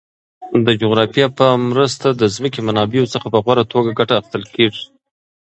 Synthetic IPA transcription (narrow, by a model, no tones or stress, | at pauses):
d̪əd͡ʒoɣɾɑfjɑpəmɾəst̪ad̪əzməkemanɑbejosəxapəɣwaɾat̪ʰoɡaɡaʈaːxst̪əlkeʐi